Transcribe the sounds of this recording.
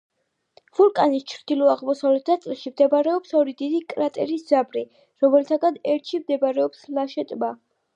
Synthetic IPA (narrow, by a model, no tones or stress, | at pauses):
v̥ulˠkʼanist͡ʃʰɾd̪ilɔaʁmɔsavlɛt̪̚ʰd̪at̪sʼlɛlʃimd̪ɛbaɾɛɔpsɔɾid̪id̪ikʼɾat̪ʼɛɾisd̪z̥abɾi | ɾɔmɛlt̪ʰaɡad̪ɛɾt̪ʰʃimd̪ɛbaɾɛɔpslaʃɛt̪ʼba